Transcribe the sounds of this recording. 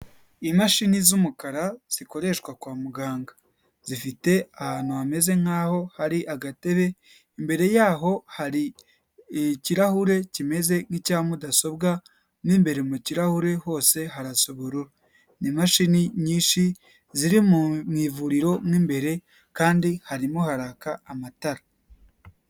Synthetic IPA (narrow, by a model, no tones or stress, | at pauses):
imaʃinizumukaɾaz̥iko̞ɾe̞ʃkwakwaːmuɡaːŋɡa | z̥ifite̞ahaːn̥uβame̞ze̞ŋ̥haːho̞haɾiʔaɡate̞βe | imbe̞ɾe̞jaːɦo̞haɾi | ciɾahuɾe̞cime̞ze̞ŋ̥icaːmudaso̞bɡa | niːmbe̞ɾe̞muciɾahuɾe̞ho̞ːse̞ɦaɾaso̞βoɾuɾa | nimaʃiniɲiːnʃi | ziɾimumŋiːvuɾiɾo̞mŋiːmbe̞ɾe̞ | kaːndihaɾimohaɾaːkaːmataɾa